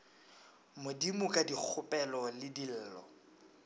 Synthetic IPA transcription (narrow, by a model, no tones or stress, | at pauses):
mʊdimʊkʼadik͡xʰʊpʼɛlɔlɪdil̩ːlɔ̰